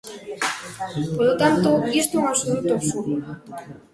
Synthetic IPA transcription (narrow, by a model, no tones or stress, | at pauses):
poɾlot̪ant̪oɡist̪ouŋaβsolut̪oopsuɾo